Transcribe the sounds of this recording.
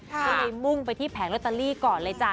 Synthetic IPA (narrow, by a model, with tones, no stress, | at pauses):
a˧la˧jmu˥˩ŋpa˧jt̪ʰiː˥˩pʰɛː˩˦ŋla˦˥t̪ːa˧liː˥˩˨kɔː˨˩nla˧jt͡ɕa˧˩